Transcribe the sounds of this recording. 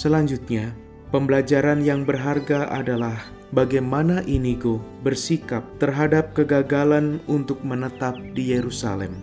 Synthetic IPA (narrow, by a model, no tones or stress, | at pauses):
səlaɲd͡ʒut̪̚ɲa | pəmbəlad͡ʒaɾanjaŋbərɦarɡaʔa̰dalah | baɡajmanaʔiniɡobərsikap̚t̪ərɦadap̚kəɡaɡalanunt̪ʊk̚mənət̪ap̚dijeɾusa̰lɛ̰m